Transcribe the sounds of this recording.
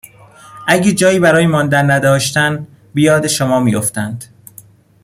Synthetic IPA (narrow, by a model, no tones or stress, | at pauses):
ʔæɟed͡ʒɒːjiːbæɾɒːjemɒːnd̪ænːæd̪ɒːʃt̪æn | bijɒːd̪eʃomɒːmiːjoft̪ænd̪̥